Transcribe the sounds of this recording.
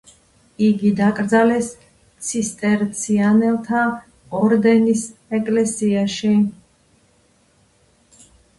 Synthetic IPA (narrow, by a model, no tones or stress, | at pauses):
iɡid̪akʼɾd̪zalɛs | t̪sʰist̪ʼɛɾt̪sʰianɛlˠt̪ʰa | ɔɾd̪ɛnisɛkʼlɛsiaʃi